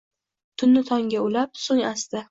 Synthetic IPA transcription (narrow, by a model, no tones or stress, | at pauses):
t̪ʰʊnːɪt̪ʰɒŋɡʲaʊlap̚soŋast̪ɪ